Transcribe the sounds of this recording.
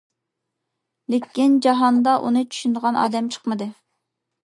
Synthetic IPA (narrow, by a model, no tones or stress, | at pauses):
lɪkʲind͡ʒɑɦɑnd̪ɑʔṵnɨt͡ʃʰy̥ʃynd̪əʁɑnɑ̰ːd̪ɛmt͡ʃʰə̥χmɨd̪ɨ